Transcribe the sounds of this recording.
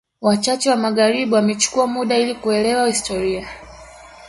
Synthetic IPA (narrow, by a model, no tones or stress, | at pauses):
wat͡ʃat͡ʃɛwamaɠaɾiɓuwamɛt͡ʃu̥kuamuɗailikuɛlɛwahistɔɾia